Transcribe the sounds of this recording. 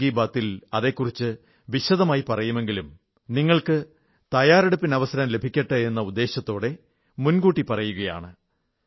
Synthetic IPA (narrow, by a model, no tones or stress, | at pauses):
iːbaːt̪ːilɐðe̞ːkːurit͡ɕːɨ | ʋiɕɐðɐmaːjipɐrɐjume̞ŋɡilum | niŋːɐɭkɨ | t̪ɐjaːɾeɽupːinɐʋɐsɐɾɐmle̞bʱikʲːɐʈːɨe̞nːɐud̪ːe̞ːɕɐt̪ːo̞ːɽe̞ | munɡuːʈːipɐrɐjuɣɐja̰ːɳɨ